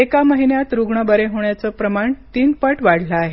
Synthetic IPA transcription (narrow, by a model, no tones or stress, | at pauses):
ekaməɦinjat̪ɾuɡɳəbəɾeɦoɳjat͡səpɾəmaɳt̪iːnpəʈʋaɽ̤ləːɦe